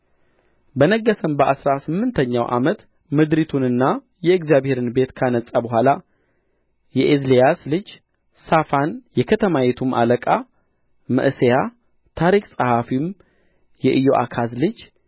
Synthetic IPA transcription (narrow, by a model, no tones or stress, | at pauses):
bənəɡːəsəmbəʔasɾasɨmːɨnt̪ʰəɲːa̰wʔa̰mət̪ | mɨd̪ɾit̪ʰunɨnːa | jɛɨɡzjabhe̞ɾɨnbe̞t̪kʰanəsʼabəɦʷala | jɛʔezlejaslɨd͡ʒ | safanjɛkʰət̪ʰəmajɛt̪ʰuma̰ləkʼa | mə̰ʔseja | t̪ʰaɾikʼsʼəhafim | jɛʔɨjoʔa̰kʰazlɨd͡ʒ